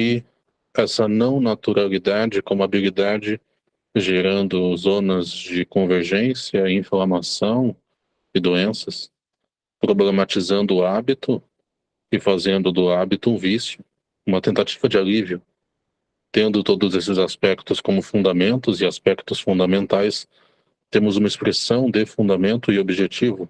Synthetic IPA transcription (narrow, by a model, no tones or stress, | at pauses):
ɪ | ɛsɐnɐ̃w̃nat̪uɾalid̪ad͡ʒɪkõmʊabilid̪ad͡ʒɪ | ʒeɾɐ̃nd̪ʊzõnɐzd͡ʒɪkõveɾʒẽsiɐĩflamasɐ̃w̃ | ɪd̪oẽsɐs | pɾoblemat͡ʃizɐ̃nd̪ʊːabit̪ʊ | ɪfazẽnd̪ʊd̪ʊabit̪ʊũvisjʊ | ũmɐt̪ẽnt̪at͡ʃi̥vɐd͡ʒɪalivjʊ | t̪ẽnd̪ʊt̪od̪ʊzesɪzaspɛkt̪ʊskõmʊfũnd̪amẽnt̪ʊzɪaspɛkt̪ʊsfũnd̪amẽnt̪ajs | t̪ẽmʊzũmɐɪspɾesɐ̃w̃d̪ɪfũnd̪amẽnt̪ʊɪobiʒet͡ʃivʊ